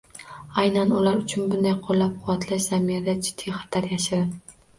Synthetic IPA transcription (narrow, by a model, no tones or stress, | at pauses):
ajnanʊlaɾʊt͡ʃʰʊnbʊnd̪ajqʰolːap̚qʰʊwat̪ʰlaʃz̥amijad̪ad͡ʒɪd̪̥ʰːijχɑ̥t̪ʰaɾjaʃɪd̪ɪ